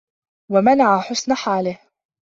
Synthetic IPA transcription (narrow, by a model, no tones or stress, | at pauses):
wamanaʕaħʊsnaħaːlɪh